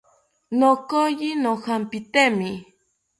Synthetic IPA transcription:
nokojinohampit̪emi

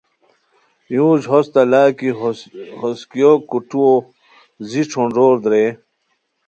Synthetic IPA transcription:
jũːʑɦost̪alaːkihoskijokuʈuo | ziʈ͡ʂʰoɳɖoːɾd̪ɾe

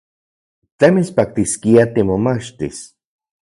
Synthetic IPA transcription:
t̪emispak̚t̪iskiat̪imomat͡ʃt̪is

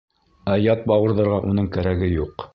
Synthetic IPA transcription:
æjɑt̪̚bɑwɤ̆ɾðɤ̆ɾʁɑʔunɤɴkæɾæɡɘjuq

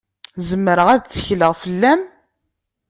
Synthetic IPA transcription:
zəmːɾəʁæðt͡sːə̥çləʁfəlːæm

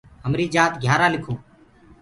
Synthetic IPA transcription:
ɦəmɾiːd͡ʒaːt̪ɡʱjaːɾaːlɪkʰõː

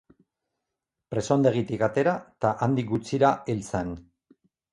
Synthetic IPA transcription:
pɾe̞soand̪e̞ɣ̞it̪ikat̪e̞ɾat̪aʔand̪ik̚ɡut͡siɾaelt͡san

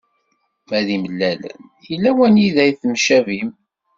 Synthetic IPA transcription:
mæðiməlːælə̰n | jəlːæwænjiðæjθmʃævim

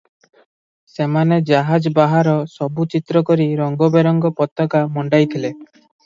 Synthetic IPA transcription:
semaned͡ʒaɦad͡ʒbaɦaɾɔsɔbut͡ʃit̪ɾɔkɔɾiɾɔŋɡɔbeɾɔŋɡɔpɔt̪ɔkamɔɳɖajt̪ʰile

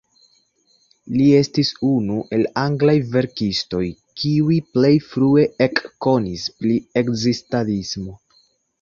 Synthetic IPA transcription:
lie̞stisunuʔe̞laŋɡlajve̞ɾkisto̞j | kiuiple̞jfɾue̞ʔekːo̞nispɾie̞kzistalismo̞

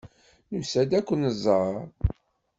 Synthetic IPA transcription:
nəmsæd̪ækʷːənəzˤɑɾˤ

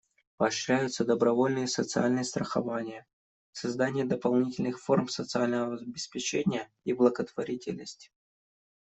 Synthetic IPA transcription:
pəɐɕɾʲæjʊt̪səd̪əbɾɐvo̞lʲnɨjəsət̪sɨalʲnɨjəst̪ɾəxɐvanʲɪjə | sɐzd̪anʲɪjəd̪əpɐlˠnʲitʲɪlʲnɨxfo̞rmsət̪sɨalʲnəvəɐzbʲɪspʲɪt͡ɕenʲɪjə | iblˠəɡət̪vɐɾʲitʲɪ̰lʲnəsʲtʲ

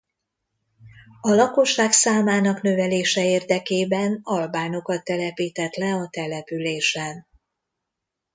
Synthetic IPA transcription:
ɒlɒko̞ʃːaːksaːmaːnɒknø̞vɛleːʃɛeːrd̪ɛkeːbɛnɒlbaːno̞kɒt̪ːɛlɛpiːt̪ɛt̪lɛɒt̪ɛlɛpyleːʃɛn

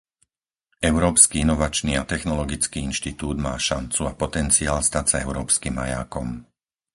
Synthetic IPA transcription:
ɛʊɾɔːpskiinɔʋat͡ʃniːat̪ɛxnɔlɔɡit͡skiːinʃt̪it̪uːd̪maːʃant͡suapɔt̪ɛnt͡siaːlst̪acsaɛʊɾɔːpskimːa̰ja̰ːkɔm

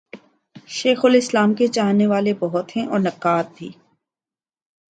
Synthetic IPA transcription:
ʃeːxʊlɪslaːmket͡ʃaːɦneʋaːlebɔɦʊt̪ɦɛ̃ʔɔːɾnɐkːaːt̪̚bʱḭː

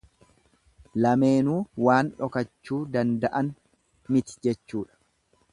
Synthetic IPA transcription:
lɐme̞ːnuːwaːnᶑɔkɐt͡ʃːuːd̪ɐnd̪ɐʔɐn | mɪt̪ɪ̥d͡ʒɛt͡ʃːuːᶑɐ̥

